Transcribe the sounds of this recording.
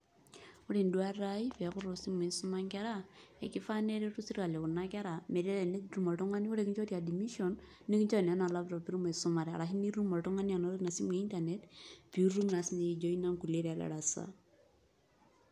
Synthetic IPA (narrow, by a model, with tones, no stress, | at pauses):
u˦ɾi˨ndu˦a˦ɾa˦i˦pi˨a˨ku˦ɾɔ˨si˦me˨nsu˦ma˦ŋkɛ˦ɾa˦ḛ˨ki˦fa˦ne˦ɾe˦ɾu˦si˦ɾka˨le˨ku˨na˦kɛ˦ɾa˨me˨ɾa˦ɾe˨ne˦ɾu˦mo˨tu˦ŋa˦ni˦u˦ɾe˦ki˦t͡ʃɔ˦tia˨di˨mi˦ʃɔ˨nː | i˦ki˦t͡ʃɔ˦˨n˨a˦na˨la˦pɾɔ˨pi˦ɾu˦me˨su˦ma˨ɾɛ˨a̰˨ɾa˨ɦi˦ni˦ɾu˦mɔ˨ltu˦ŋa˦ni˦a˨no˦ɾi˦na˨si˦me˨i˦nta˨ne˦tpi˨u˦ɾu˦mna˨sne˨i˨d͡ʒo˦i˦na˦ŋku˨le˦ɾa˨la̰˨ɾa˨sa̰˦